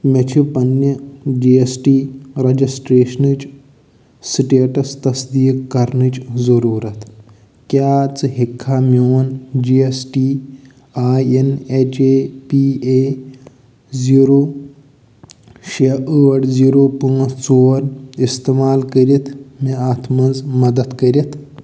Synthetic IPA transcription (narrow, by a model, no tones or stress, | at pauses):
mɐt͡ʃʰipɐnjɐd͡ʒiesʈiːɾɐd͡ʒisʈɾeːʃnɨt͡ʃ | siʈeːʈɐst̪ɐsd̪iːkkɐɾɳɨt͡ʃzɐɾuːɾɐt̪ | kjaːt͡sɨɦikʰːamoːnd͡ʒiesʈiː | aːjenet͡ʃepie | ziːɾoː | ʃeəɐɽziːɾoːpuŋɐt͡soːnist̪emaːlkəɾit̪ʰmiaːt̪ʰmɐnzmɐd̪ɐd̪kəɾʲit̪ʰ